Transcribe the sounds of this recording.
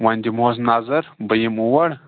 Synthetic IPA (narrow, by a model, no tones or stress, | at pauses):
wanʲd̪ʲimos̬naːzɐɾbəjimuwɐɽ